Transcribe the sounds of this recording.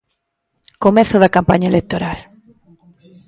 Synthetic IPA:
komɛθʊðɐkampaɲɐelek̚t̪oɾal

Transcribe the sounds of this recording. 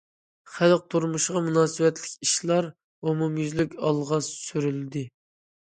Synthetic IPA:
χælˠq̚t̪ʰuɾmuʃʁɑmunɑːsɨwɛt̪lɪkʲiʃlˠɑɾ | omumjyzlykʲɑlˠʁɑssyɾylɪd̪ɪ

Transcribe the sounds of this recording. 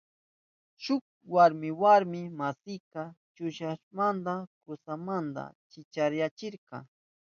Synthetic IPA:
ʃʊk̚ | waɾmɪwaɾmɪmasɪjqɑt͡ʃʊʃaʃmand̪akʊsamand̪a̰t͡ʃɪt͡ʃaɾjat͡ʃɪɾqɑ̰

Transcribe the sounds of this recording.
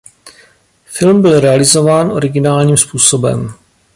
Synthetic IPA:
fɪlmbɪlɾɛalɪzo̞vaːnʔo̞̰ɾɪɡɪnaːlɲiːmspuːso̞bɛ̰m

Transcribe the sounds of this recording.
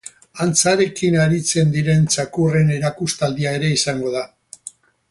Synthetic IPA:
ant͡saɾe̞kinaɾit͡se̞nd̪iɾe̞nt͡sakure̞ne̞ɾakust̪ald̪iae̞ɾe̞isaŋɡo̞ða

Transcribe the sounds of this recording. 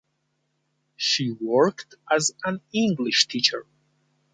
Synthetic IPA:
ʃiwɜ˞ktəzæ̃nɪ̃ŋɡlɪʃtʰit͡ʃə˞

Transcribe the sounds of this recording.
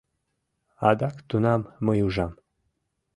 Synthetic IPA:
ad̪akt̪unɑmːəjuʒɑm

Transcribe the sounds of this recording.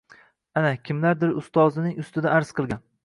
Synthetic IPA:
anakʲʰɪmlaɾd̪ɪɾʊst̪ɒzɪnɪŋʊst̪ɪd̪aaɾz̥qɨlˠɡʲan

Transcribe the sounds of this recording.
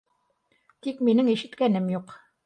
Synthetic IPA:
t̪ikminɘŋiʃɘ̆t̪kænɘmjuq

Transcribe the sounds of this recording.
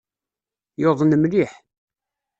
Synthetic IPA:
joðˤnəmliħ

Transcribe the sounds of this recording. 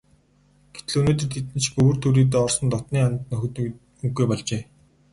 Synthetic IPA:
ɡ̥e̥t̪ɮuːnoːt̪ɘ̆t̪ʰːit̪ɘ̆nt͡ɕʰpɵwːrt̪ʰuːɾiːt̪̬ːɔːrsɞ̆nt̪ɔt̪niːant̪nɵxɵ̆t̪ | uɡujpɔɮt͡ɕeː

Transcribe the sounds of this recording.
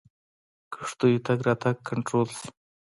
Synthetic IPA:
kə̥ʂt̪ujit̪aɡɾat̪ʰakʰːaɳʈɾols

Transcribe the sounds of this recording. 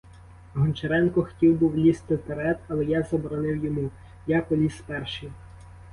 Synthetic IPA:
ɦɔnt͡ʃɐɾɛnkɔxɔ̥tʲiwbuwlʲist̪ɪt̪eɾɛt̪ɐlˠɛjazɐbɔɾɔnɪwjɔmu | jakɔlʲispɛrʃi

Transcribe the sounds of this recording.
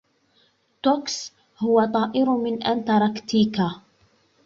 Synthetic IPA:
t̪oks | hʊwat̪ˤɑːʔɪɾmɪnʔant̪ɑɾˤɑkt̪iːka

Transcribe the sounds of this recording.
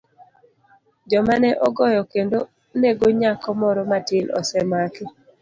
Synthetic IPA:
d͡ʒɔmanɛʔɔɡɔjɔkendo | neɡoɲakɔmɔɾɔmatɪlɔ̰sɛmaki

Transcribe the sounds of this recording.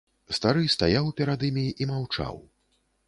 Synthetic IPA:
st̪aɾɨst̪ajawpʲɛɾad̪ɨmʲiʔimawt͡ʂa̰w

